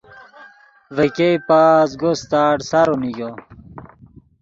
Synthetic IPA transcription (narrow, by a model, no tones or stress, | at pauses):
vekejpaːzɡost̪aːɖsaɾuniɡo